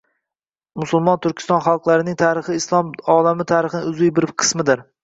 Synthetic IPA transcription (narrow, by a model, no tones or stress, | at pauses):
mʊsʊlˠmɒnt̪ʰʊɾkʲɪ̥st̪ɒnχalˠqlˠaɾɪnɪŋt̪ʰaːɾɪχɪːslˠɒmɒlamɪt̪ʰaɾɪχɪnɪʊzɪjbɪɾqʰɨ̥smɪd̪ɪɾ